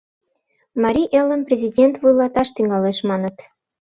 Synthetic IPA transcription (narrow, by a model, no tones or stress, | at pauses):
mɑɾʲiʔelə̆mprʲezʲidʲent̪βujlɑt̪ɑʃt̪yŋɑleʃmɑnə̆t̪